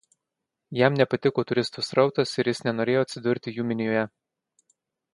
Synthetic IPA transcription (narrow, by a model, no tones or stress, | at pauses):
jɛˑmnʲɛpɐt̪ʲɪkoːt̪ʊɾʲɪst̪uːsɾɒʊt̪ɐsɪɾʲjɪsnʲɛnoːɾʲeːjoːɐt̪ʲsʲɪd̪ʊɾʲt̪ʲɪjuːmʲɪnʲɪjoːjɛ